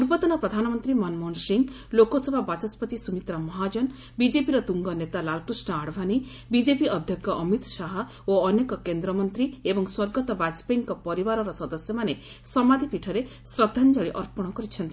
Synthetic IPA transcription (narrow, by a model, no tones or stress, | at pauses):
uɾpɔt̪ɔnɔpɾɔd̪ʱanɔmɔnt̪ɾimɔnmɔnsiŋ | lokɔsebʱabat͡ʃɔspɔt̪isumit̪ɾamɔɦad͡ʒɔn | bid͡ʒepiɾɔt̪uŋɡɔnet̪alalkɾisnɔaɽbʱani | bid͡ʒepiɔd̪ʱjɔkːɔʔɔmit̪saɦɔ | oɔnekɔkend̪ɾɔmɔnt̪ɾiebɔŋswɔɾɡɔt̪ɔbad͡ʒpeŋkɔpɔɾibaɾɔɾɔsɔd̪ɔsjɔmane | sɔmad̪ʱipiʈʰɔɾe | sɾɔd̪ʱand͡ʒɔɭiʔɔɾpɔɽ̃ɔkɔɾit͡ʃʰɔnt̪i